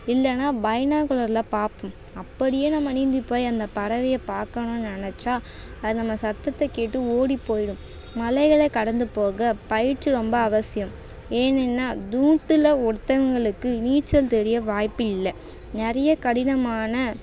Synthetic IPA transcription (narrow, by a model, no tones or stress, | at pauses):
ɪlːɛnːaːbɐjɐnaːkɔɭɐɾlɐpaːɾpɯm | ɐpːɐɽɪjeːnɐmːɐniːnd̪ɯpːoːjɐnd̪ɐpɐɾɐʋɪjɐpaːɾkɐɳʊ̃nɪnɐt͡ʃːaː | ɐðɯnɐmːɐsɐt̪ːɐt̪ːɛkeːʈːɯoːɽipːoːjɪɽɯm | mɐlɛɪɣɐɭekɐɽɐnd̪ɯpoːɣɐpɐjɪɾt͡ʃːɯɾɔmbɐɐʋɐsɪjɐm | eːnɛnːaːd̪uːʈ̪ːɯlɐɔɾt̪ːɐʋɐŋɡɐɭɯkːɯniːt͡ʃːɐlt̪ɛɾɪjɐʋaːjpːɯɪlːɐ | nɛɾɐjɐkɐɽɪnɐmaːnɐ